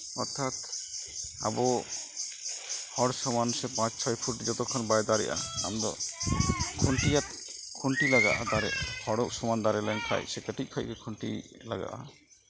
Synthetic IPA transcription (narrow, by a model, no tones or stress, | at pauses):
ɔɾt̪ʰːat̪ | a̰bɔ | hɔɽsɔmanusɛpãt͡ʃt͡ʃʰɔjpʰuʈd͡ʒɔt̪ɔkʰɔnbajd̪aɾɛ̰ʔa̰a̰md̪ɔ̰ | kʰuɳʈijat̪̚kʰuɳʈilaɡa̰ʔad̪aɾɛʔpʰɔɽɔʔsɔmand̪aɾɛlɛnkʰa̰jsɛkəʈic̚kʰajkɛkʰuɳʈḭlaɡa̰ʔa